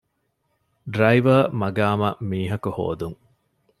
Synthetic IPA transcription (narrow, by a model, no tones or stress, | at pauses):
ɖɾɐiʋɐmɐɡaːmɐmiːɦɐkuho̰ːd̪uŋ